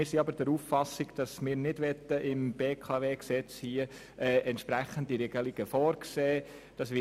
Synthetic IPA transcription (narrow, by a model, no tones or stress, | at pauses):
ɪːɾsiɑbəɾd̥ɛɾufːɑsɪɡd̥ɑsmɪːɾnɪdʋɛt̪ːəʔɪmb̥eːkʰɑveːksɛt͡shiə | ʔɛːʔɛnt̪ʃpɾæχəndiɾɛɡ̥əliɡ̥əfɔːɾkseː | d̥ɑsʋɪ